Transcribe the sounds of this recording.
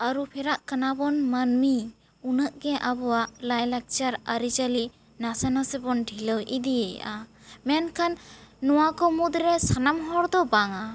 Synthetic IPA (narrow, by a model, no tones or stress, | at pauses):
aɾupʰɛɾaʔkanabɔnmanmi | unəʔɡɛʔabɔwaʔlajlak̚t͡ʃaɾəɾid͡ʒəli | nasanasɛbɔnɖʱiləwʔid̪iɛj̰ʔa | mɛnkʰanːɔwakɔmud̪ɾɛsanamɦɔɾd̪ɔbaŋa